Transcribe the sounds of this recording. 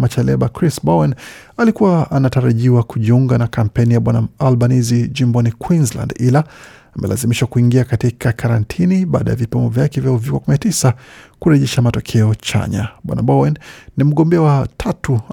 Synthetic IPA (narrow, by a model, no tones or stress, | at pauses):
mat͡ʃɛlɛɓakɾisbɔwɛnalikuwaanataɾaʄiwakuʄiuŋɡanakam̩pɛnijaɓwanaalɓanizid͡ʒimbɔnikwinzla̰ndilaː | mʔɛ̰lʔa̰zimiʃwakuiŋɡiakatikʰakʰaɾantʰiniɓaːɗa̰ja̰vipimɔvjakɛvjauvikwakuminatisakuɾɛʄɛʃamatɔkʰɛɔt͡ʃa̰ɲa̰ɓwa̰na̰ɓɔwɛnnim̩ɠɔmbɛawatʰatu